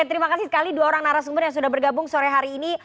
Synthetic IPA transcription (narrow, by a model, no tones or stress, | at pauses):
t̪əɾimakasɪsə̥kaliduaoɾaŋnaɾas̬əmbʊrjaŋs̬udahbərɡabʊŋsoɾɛɦaɾiːni